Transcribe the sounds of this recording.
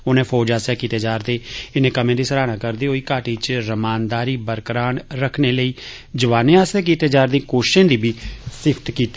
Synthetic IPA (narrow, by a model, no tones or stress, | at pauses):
ʊnẽːpʰɔːd͡ʒaːsjaːkiːt̪eːd͡ʒaːɾd̪eːɪnẽːkəmẽːd̪iːsəɾaːnãːkəɾd̪eːɦoːiːkaːʈiːt͡ʃɾəmaːnd̪aːɾiːbəɾkɾaːnɾəkʰneːləiː | d͡ʒəʋaːnẽːaːsaːk̬iːt̪eːd͡ʒaːɾd̪ĩːkoːʃɪ̥ʃãːd̪iːbiːsɪpʰt̪kiːt̪ː